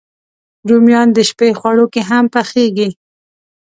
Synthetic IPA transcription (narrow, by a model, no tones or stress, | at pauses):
ɾumjɑnd̪əʃpexwaɽokeɦampaxeɡi